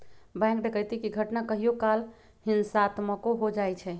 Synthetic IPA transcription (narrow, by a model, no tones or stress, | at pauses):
bɛ̃ŋkɖekəjt̪ikiɡʱəʈnakəɦijokal | hinsaːt̪məkoɦod͡ʒajt͡ʃʰɛ